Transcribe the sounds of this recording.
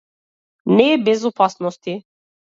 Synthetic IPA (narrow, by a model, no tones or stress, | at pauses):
nɛbɛzɔpasnɔst̪i